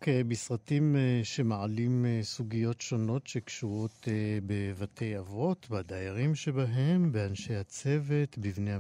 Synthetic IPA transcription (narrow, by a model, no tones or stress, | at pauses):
kebisʁatimeʃe̞maʕalimsuɡijo̞tʃo̞no̞tʃe̞kʃuʁo̞t̪bevatʰe̞javo̞t̪bad̪ajeʁimʃe̞baɦe̞mbeanʃejhat͡se̞ve̞t̪bivne